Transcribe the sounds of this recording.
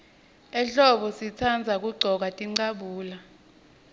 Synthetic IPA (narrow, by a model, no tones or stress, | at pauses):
ɛɬɔɓɔsit͡sʰand͡zʱak̬ʼuɡ͡ǀʱɔk̬atʼiŋ͡ǀaɓuːla